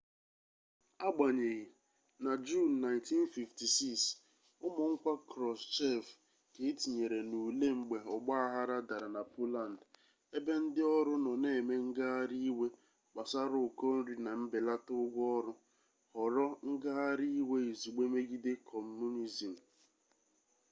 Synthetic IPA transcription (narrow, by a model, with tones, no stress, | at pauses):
a˦ɡ͡ba˨ɲe˨ɣi˨ | na˨d͡ʒu˦˨nːa˨nti˦n˦fi˨fti˨si˦ks | ʊ˦mʊ˨ŋ̩˦kʷa˦kɾɔ˨st͡ʃɛ˦f | ke˨˦ti˨ɲe˨ɾe˨nu˨le˦ŋ͡m̩˨ɡ͡be˨ɔ˨ɡ͡ba˦a˦ɦa˦ɾa˦da˨ɾa˨na˨po˦la˨n˨d | e˦be˦n̩˦dɪ˦ɔ˦ɾʊ˦nɔ˨ne˦˨me˦ŋ̩˦ɡa˦a˦ɾi˦we˦ | k͡pa˨sa˦ɾʊ˦˨ko˦n̩˦ɾi˦na˨m̩˦bɪ˨la˦tʊ˦ɡʷɔ˦ɾʊ˦ | hɔ˨ɾɔ˦ŋ̩˦ɡa˦a˦ɾi˦i˦we˦i˨zi˨ɡ͡be˦me˦ɡi˦dɪ˦kʰɔ˨m˦mu˦ni˦zi˨m̩˨